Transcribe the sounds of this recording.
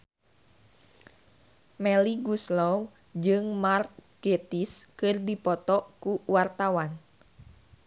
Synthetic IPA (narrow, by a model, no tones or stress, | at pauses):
mɛliɡuslɔw | d͡ʒɨŋmark̪̚ɡ̥et̪iskɨrdipɔt̪ɔʔkuwart̪awan